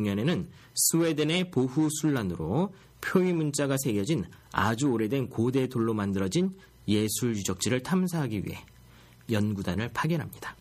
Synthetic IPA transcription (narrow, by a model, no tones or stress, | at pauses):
ŋɲʌne̞nɯn | sʰue̞dene̞poɸusʰuɭːanɯɾo | pʰjoɥimunt͡ɕ͈aɡasʰe̞ɡjʌd͡ʑin | a̰d͡ʑuoɾe̞dwe̞nkode̞doɭːomandɯɾʌd͡ʑin | je̞sʰuɭjud͡ʑʌk̚t͡ɕ͈iɾɯɭtʰams̬ʰaɦaɡiɥḭɦe̞̰ | jʌnɡudanɯɭpʰaɡjʌnɦamɲid̥a